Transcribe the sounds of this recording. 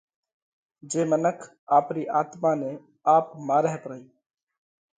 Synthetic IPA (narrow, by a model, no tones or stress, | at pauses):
d͡ʒeːmənəkʰ | aːpɾiːʔaːt̪maːnẽː | aːpmaːɾəɦepɾəiː